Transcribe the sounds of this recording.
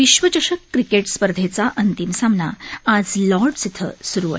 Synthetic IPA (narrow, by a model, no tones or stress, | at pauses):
ʋiɕʋət͡ɕəɕəkːɾikeʈspəɾd̪ʱet͡saʔənt̪imsamnaad͡zlɔɾɖsit̪ʰə̰suɾuːə̰